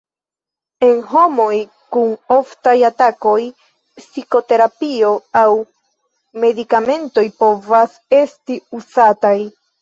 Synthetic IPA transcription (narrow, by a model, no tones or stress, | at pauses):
e̞nɦo̞mo̞j | kuno̞ftajatako̞j | psiko̞te̞ɾapioaw | me̞dikame̞nto̞jpo̞vas | e̞stiuzataj